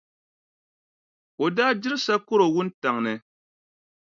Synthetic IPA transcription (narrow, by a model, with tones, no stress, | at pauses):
o˨daː˦d͡ʒɪ˦ɾɨ˦sa˦ko˦ɾo˨wʊ˦n̩˦ta˨ŋnɨ˨